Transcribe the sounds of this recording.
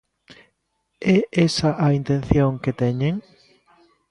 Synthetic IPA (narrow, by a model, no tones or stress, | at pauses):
ɛesɐʔɐint̪ẽnθjoŋket̪ɛɲeŋ